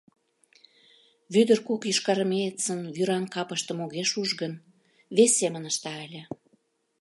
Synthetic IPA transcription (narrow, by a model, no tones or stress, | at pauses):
βyd̪ərkukjiʃkɑɾəmejət͡sənjyɾɑnkɑpəʃt̪ə̆moɣeʃuʒɣən | βesʲːemə̆nəʃt̪ɑælʲə̆